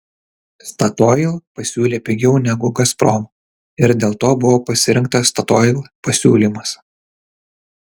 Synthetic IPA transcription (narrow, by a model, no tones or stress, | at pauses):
st̪ɐt̪ɔjlˠpɐsʲuːlʲeːpʲɛɡʲɛʊnʲɛɡʊɡɐspɾɔm | ɪɾd̪ʲeːlˠt̪oːbʊʋoːpɐsʲɪɾʲɪŋk̚t̪ɐst̪ɐt̪ɔɪlˠpɐsʲuːlʲimɐs